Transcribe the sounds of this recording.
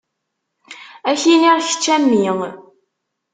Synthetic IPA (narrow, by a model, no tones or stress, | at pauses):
æçiniɾçə̥t͡ʃːæmːiŋ